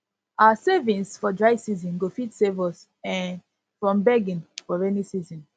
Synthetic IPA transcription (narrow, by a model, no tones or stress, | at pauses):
aasevĩnsfɔdɹaɪsizɔ̃nɡofitsevɔs | ɛ̃n | fɹɔ̃mbɛɡĩnfɔɹɛnisizɔ̃n